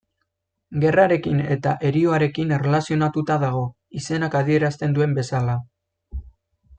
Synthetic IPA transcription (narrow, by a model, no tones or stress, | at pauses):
ɡe̞raɾe̞kine̞t̪aʔe̞ɾioaɾe̞kinere̞lasio̞nat̪ut̪aðaɣ̞o̞ | ise̞nakað̞ie̞ɾast̪e̞nd̪ue̞mbe̞sala